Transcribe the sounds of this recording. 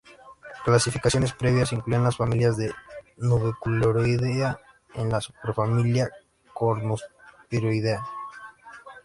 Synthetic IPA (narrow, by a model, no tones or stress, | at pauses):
klasifikasjo̞ne̞spɾe̞βjas̬iŋklujenlasfamiljazðe̞nuβekuloɾojðea | enlasupeɾfamilja | koɾmospeɾojðea